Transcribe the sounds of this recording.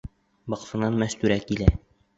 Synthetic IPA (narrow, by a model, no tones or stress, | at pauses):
bɒqsɤ̆nɑnmæst̪ʉɾækilæ